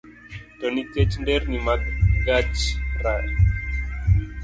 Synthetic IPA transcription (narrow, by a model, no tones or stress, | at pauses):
t̪oniket͡ʃɳɖeɾnimat̪ɡat͡ʃra